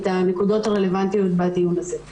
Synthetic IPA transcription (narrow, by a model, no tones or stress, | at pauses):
t̪ane̞kudo̞taʁe̞le̞vant̪ijo̞t̪̚batiunaze̞